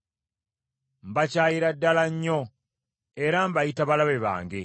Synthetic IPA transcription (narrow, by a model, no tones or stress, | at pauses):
mbacaːjiɾadːalaɲːo | eɾambajitaβalaβeβa̰ːŋɡe